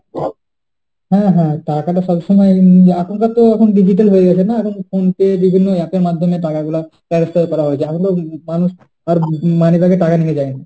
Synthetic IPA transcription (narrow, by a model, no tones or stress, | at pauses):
ɦãɦãʈakaʈɔsɔbsɔmajakʰunkat̪ːoakʰunɖid͡ʒʱiʈ̬əlɦoeɡat͡ʃʰenaːkʰunfʰonkebibʱinːojapeɾmad̪ʱjɔmẽʈakaɡulapɛɾəst̪əɾkɔɾaɦoet͡ʃʰeakʰunt̪omanus | aɾmanibakeʈakaniked͡ʒaːena